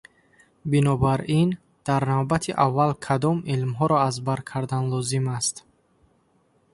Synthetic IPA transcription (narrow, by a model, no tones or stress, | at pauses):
binɔbaɾin | d̪̥aɾnavbat̪ʰiʔavːalkʰad̪ɔmilmɦɔɾɔazbaɾkʰaɾd̪anlɔzimast̪